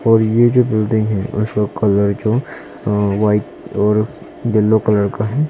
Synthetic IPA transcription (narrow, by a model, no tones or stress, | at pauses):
ɔːɾjed͡ʒoːbɪld̪ɪ̃ŋɡɦɛʊ̰skakɐləɾd͡ʒoː | ʋaːɪt̪ | ɔːɾ | d̪ɪlːokɐləɾkaɦɛː